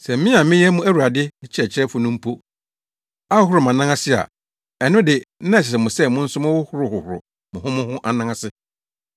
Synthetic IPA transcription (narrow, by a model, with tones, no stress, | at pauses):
sɛ˨m̩˦mɪ̃˦a˨mɪ̃˦jɛ˦mʊ̃˦æ˦wu˨a˨dɪ˦ɪ˦t͡ɕʰɛ˨t͡ɕʰɪ˦ɾɛ˦fʊ˨nʊ̃˦m̩˦pʰo˦ | a˦hʊ˦hʊ˦ɾʊ˨mã˨nã˦ŋa˦sɪ˦a̰˨ | ɛ˨nʊ̃˦dɪ˨˦nã˦˨ɪ˨s̬ɛ˨mʊ̃˨sɛ˦˨mʊ̃˦n̩˦sʊ˦mʊ̃˦wʊ˦hʊ˦ɾʊ˨hʊ˨hʊ˨ɾʊ̰˨ | mʊ̃˨hʊ̃˦mʊ̃˦hʊ̃˦ʔa˨nã˦ŋã˦sɪ˦